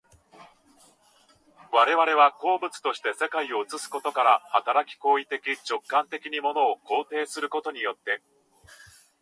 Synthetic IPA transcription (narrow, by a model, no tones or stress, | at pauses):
βaɾe̞βaɾe̞β̞ako̞ːbɯ̟t͡sɨ̥t̪o̞ɕi̥t̪e̞se̞kaio̞ɯ̟t͡sɨsɨ̥ko̞t̪o̞kaɾahat̪aɾakʲi̥ko̞ːit̪e̞kʲit͡ɕo̞kːãnt̪e̞kʲiɲ̟imo̞no̞ːko̞ːt̪e̞ːsɨɾɯ̟ko̞t̪o̞ɲ̟ijo̞t̪ːe̞